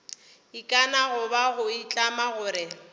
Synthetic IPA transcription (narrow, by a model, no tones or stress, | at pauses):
ikʼanaɣʊbaɣʊit͡ɬʼamaɣʊːɾɪ